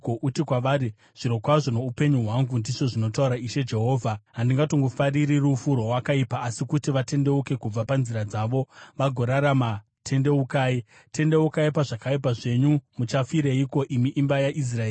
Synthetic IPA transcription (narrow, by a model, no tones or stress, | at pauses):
koʔutikwaʋaːɾi | ʐ̥iɾo̞kwaʐo̞no̞upe̞ɲuɦwaŋɡundiʐo̞ʐino̞tauɾaiʃe̞d͡ʒe̞ɦo̞ːvʱaɦandiŋɡatoŋɡofariɾirufurowakaipaːsikutiʋate̞nde̞uke̞kub͡vapanziɾad͡zaʋo̞ʋaɡʱo̞ɾaɾama | tʰe̞nde̞ukaːi | te̞nde̞ukaipaʐakaip̬aʐe̞ɲumut͡ʃafiɾeiko̞ʔimiʔːmbajaʔis̬raeː